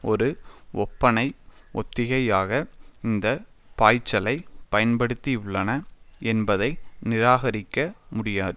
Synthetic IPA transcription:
ɔɾɯɔpːɐnɐɪʔɔt̪ːɪɣɐjaːɣɐɪnd̪ɐ | paːjt͡ʃːɐlɐɪpɐjɐnpɐɽɯt̪ːiʊɭːɐnɐɛnbɐðɐɪnɪɾaːɣɐɾɪkːɐmʊɽɪjaːðɯ

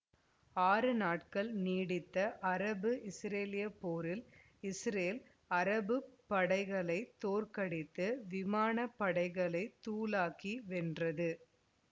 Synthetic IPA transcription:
aːɾɯnaːʈ̚kɐɭniːɽɪt̪ːɐʔɐɾɐbɯʔɪsɾeːlɪjɐpːoːɾɪl | ɪsɾeːl | ɐɾɐbɯpːɐɽɐɪɣɐɭɐɪt̪ːoːrkɐɽɪt̪ːɯʋɪmaːnɐpːɐɽɐɪɣɐɭɐɪt̪ːuːlaːkiʋɛndrɐðɯ

